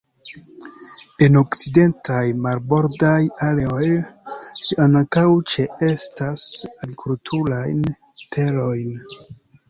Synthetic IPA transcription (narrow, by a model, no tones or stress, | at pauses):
e̞no̞kt͡side̞ntajmaɾbo̞ɾdajaleo̞jʃiʔankawt͡ʃe̞e̞stasaɡikʰultʰuɾajn | tʰe̞lo̞jn